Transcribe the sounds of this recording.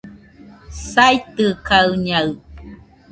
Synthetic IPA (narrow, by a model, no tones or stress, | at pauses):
sajt̪ɯkaɯɲaɰ